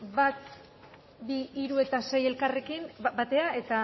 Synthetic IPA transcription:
bat̪̚ | biːɾue̞t̪ase̞je̞lkare̞kinbat̪e̞ae̞t̪a

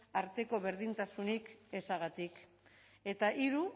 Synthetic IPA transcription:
aɾt̪e̞ko̞βe̞ɾð̞int̪asunike̞saɣ̞at̪ik | e̞t̪aʔiɾu

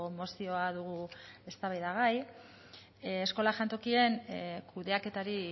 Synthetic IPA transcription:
omo̞sio̞aðuɣ̞ue̞st̪aβajðaɣaj | esko̞laʝant̪o̞kie̞nkuðe̞ake̞t̪aɾi

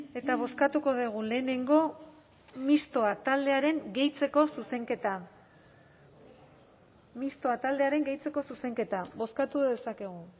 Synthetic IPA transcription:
e̞t̪aβ̞o̞skat̪uko̞ðeɣ̞ule̞ːne̞ŋɡo̞ | mist̪o̞at̪ald̪e̞aɾe̞ŋɡe̞jt͡se̞ko̞suse̞ŋket̪a | mist̪o̞at̪ald̪e̞aɾe̞ŋɡe̞jt͡se̞ko̞suse̞ŋke̞t̪aβo̞skat̪uðe̞sake̞ɣ̞u

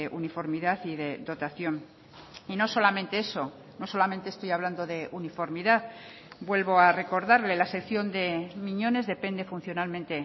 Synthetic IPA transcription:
eʔunifo̞ɾmiðaθiðe̞ðo̞t̪aθjo̞n | ino̞so̞lament̪e̞eso̞ | no̞so̞lament̪est̪o̞jaβland̪oðe̞ʔunifo̞ɾmiðaθ | bwe̞lβo̞are̞ko̞ɾðaɾle̞lase̞kθjo̞nd̪e̞mĩɲo̞ne̞zðe̞pe̞nd̪e̞funθjo̞nalment̪e̞

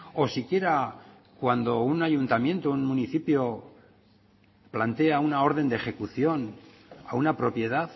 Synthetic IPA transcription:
o̞sikje̞ɾa | kwand̪o̞unaʝunt̪amje̞nt̪ounmũniθipjo̞ | plant̪e̞aunao̞ɾðe̞nd̪exe̞kuθjo̞n | aunapɾo̞pje̞ðaθ

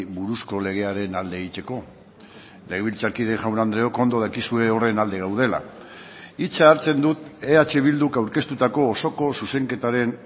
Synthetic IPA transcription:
βuɾusko̞le̞ɣ̞e̞aɾe̞nald̪eːɣit͡se̞ko̞ | le̞ɣ̞eβilt͡sakiðe̞ŋʝawnand̪ɾe̞o̞ko̞nd̪o̞ð̞akisue̞o̞re̞nald̪e̞ɣawðe̞la̰ | it͡saːɾt͡se̞nd̪ut̪e̞at͡ʃe̞β̞ild̪ukawɾke̞st̪ut̪ako̞ːso̞ko̞suse̞ŋke̞t̪aɾe̞n

